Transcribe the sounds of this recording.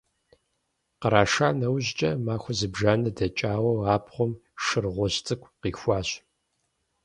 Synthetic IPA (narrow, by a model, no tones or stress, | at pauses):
qəɾaːʂaːnɐwʑt͡ʃʼɐmaːxʷɔzɨbʒaːnɐdɐt͡ʃʼaːwɐwaːpχʷɔm | ʃɨrʁʷɔɕt͡sʼɨkʷʰʼqiːxʷɑːɕ